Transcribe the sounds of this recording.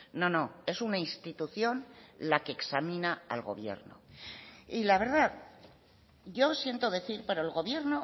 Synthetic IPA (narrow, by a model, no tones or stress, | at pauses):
no̞no̞e̞sunainst̪it̪uθjo̞nlake̞ːksamĩnaalɣo̞̰β̞je̞̰ɾno̰ | ilaβe̞ɾðað | ɟ͡ʝo̞sje̞nt̪oðe̞θiɾpe̞ɾoelɣo̞βje̞ɾno